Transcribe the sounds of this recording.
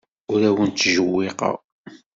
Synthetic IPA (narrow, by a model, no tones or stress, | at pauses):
ʊɾæwənt͡s̪ːʒəwːiqɑ̰ʁ